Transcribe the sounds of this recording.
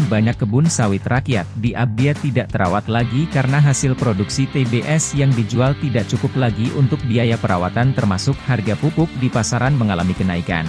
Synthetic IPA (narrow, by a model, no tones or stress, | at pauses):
nbaɲakːəbʊnsawɪt̪rakiat̪̚diʔab̚diat̪idaʔt̪əɾa̰wat̪laɡikaɾənaɦasɪlpɾoduksit̪ebeʔɛsjaŋdid͡ʒualt̪idaʔt͡ʃukʊplaɡiʔunt̪ʊk̚biajapəɾa̰wa̰t̪ant̪ərmasʊk̚harɡapupʊk̚dipasaɾanməŋala̰mikənaika̰n